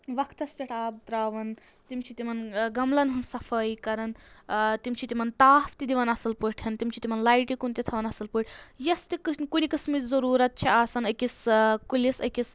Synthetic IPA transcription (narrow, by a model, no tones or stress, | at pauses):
ʋɐkʰt̪ɐspʲeʈʰaːb̚t̪ɾaːʋɐn | t̪imt͡ʃʰit̪imɐnɡɐmlɐnɦɨnsɐfʰɐjkɐɾɐnt̪imt͡ʃʰit̪ʲimɐnt̪aːft̪id̪iʋɐnɐsɐlpɨʈʰjɐnt̪imt͡ʃʰit̪ʲimɐnlaːjʈikunt̪it̪ʰɐʋɐnɐsɐlpɨʈʰʲjɐst̪ikɨkunikɨsmizɐɾuːɾɐt̪̚t͡ʃʰiaːsɐnɐkiskulisɐkis